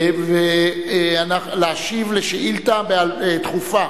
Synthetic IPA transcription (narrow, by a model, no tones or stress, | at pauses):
ve | anaχlaaʃivleʃeʔilt̪abealet̪χufa